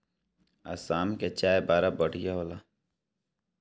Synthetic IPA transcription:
a̰saːmket͡ʃaːebaːɾabəɽ̤ijaɦoːla

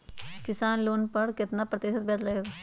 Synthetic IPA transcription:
kɪsaːnloːnpəɽkɪt̪napɾət̪ɪːʃət̪̚bɛːt̪ləeːɡaː

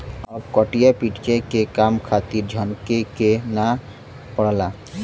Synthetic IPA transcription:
ɔːbkɔʈijapiʈkekekamkʰat̪iɾd͡ʒʱənkekena | pəɽla

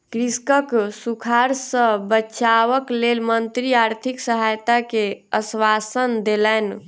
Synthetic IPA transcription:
kɾiskəksukʰaɾsəbəːt͡ʃʰaʋəklelmənt̪ɾiaɾt̪ʰiksəɦajt̪akeəsʋasənd̪elɛn

